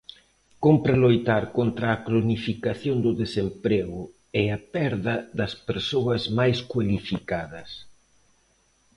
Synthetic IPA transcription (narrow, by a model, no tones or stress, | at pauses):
kompɾalojt̪aɾkont̪ɾɐːkɾonifikaθjond̪ʊðesempɾeɣʊ | ɛapɛɾðɐðɐspeɾsoɐzmajskwalifikaðɐs